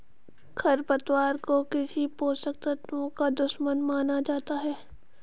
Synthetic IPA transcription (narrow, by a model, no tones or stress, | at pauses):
kʰɐɾpɐt̪waːɾkokɪsipoːsək̚t̪ət̪õkad̪ʊʃmənmaːnad͡ʒaːt̪aɦɛː